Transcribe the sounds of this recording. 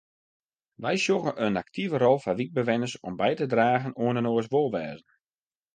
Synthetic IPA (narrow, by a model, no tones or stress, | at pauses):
ʋɛjsoɣənʔənak̚tʰivərɔlˠfaʋik̚bəʋɛnəsɔmbɛjtədraːɣənoənənoəsʋolˠʋɛːzən